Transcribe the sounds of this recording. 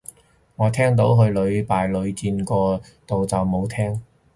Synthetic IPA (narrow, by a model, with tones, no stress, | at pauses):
ŋɔː˨˧t̪ʰɛː˥ŋt̪̬o˨˥wɦɵ˧ɥlɵ˨˧ɥpaː˨jlɵ˨˧ɥt͡siː˧nkɔː˧ | t̪o˨wt͡sɐ˨wmo˨˧wt̪ʰɛː˥ŋ